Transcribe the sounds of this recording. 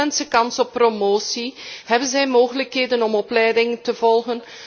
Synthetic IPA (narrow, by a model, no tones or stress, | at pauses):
ɛnsəkɑnsɔpːromoːsiɦɛbənzɛjmoːɣələkɦeːdənɔmɔplɛjdɪŋtəvɔlˠɣən